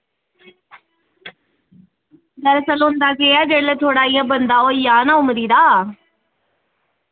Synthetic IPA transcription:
d̪əɾsəloːnd̪aːkeːaːd͡ʒeːɽlət̪ʰoːɽaːiːjãːbənd̪ãːoːijaːnaːʊməɾiːd̪aː

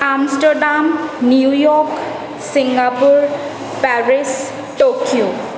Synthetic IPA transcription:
amsʈəɾɖamniujɔk | siŋɡapuɹ | pɛɹis | ʈokio

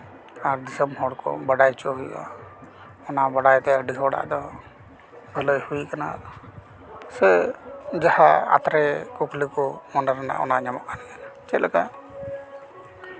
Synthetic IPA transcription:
aɾd̪isəmhɔɽkɔ̰baɖajt͡ʃɔɦuja̰ | ɔnaʔbaɽajt̪ɛɖisɔɽa̰ʔd̪ɔ | bʱələjhuikana̰ | sɛd͡ʒahaa̰t̪ɾɛkuklikɔmɔnəɾana̰ʔɔ̰naʔɲamɔ̰ʔkanakanat͡ʃɛt̪laka

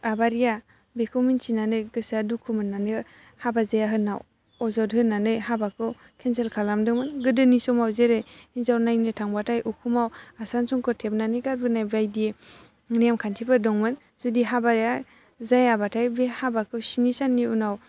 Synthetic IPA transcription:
abaɾija | bekʰɔminsinanɯjɡɯsadukʰɯmɯnːanɯ | habazajaɦɯnaw | ɔzɔdɦɯnːanɯjhabakʰɯw | kʰenselkʰalamdɯŋmɯnɡɯdɯnisɔmawzeɾɯjinzawnajnɯtʰaŋbatʰajʔukʰumawasansɔŋkʰɯtʰep̚nanɯɡaɾbɯnajbajde | ŋniamkʰantʰibɯdɔŋmɯn | zudiɦabaɾija | zajabatʰajbehabakʰɯwsinisanːiunaw

